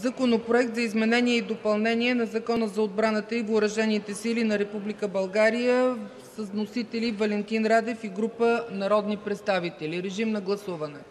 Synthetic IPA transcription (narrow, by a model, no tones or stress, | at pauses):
zɐkonopɾoɛk̚t̪zɐizmɛnɛniɛid̪opɐlˠnɛniɛnɐzɐkɔnəzɐod̪̚bɾanət̪əivoʊɾɐʒɛnit̪ɛsilinɐɾɛpublikəbɐlˠɡaɾijə | səznosit̪ɛlivɐlɛnt̪inɾad̪ɛfiɡɾupənɐɾɔd̪nipɾɛt̪st̪avit̪ɛliɾɛʒimnɐɡlˠɐsuvɐnɛ